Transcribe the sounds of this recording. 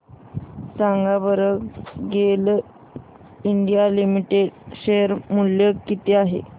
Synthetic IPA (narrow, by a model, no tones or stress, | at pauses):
saŋɡabəɾəkɡel | iɳɖijalimiʈeɖɕejəɾmuljəkkːit̪eaɦḛ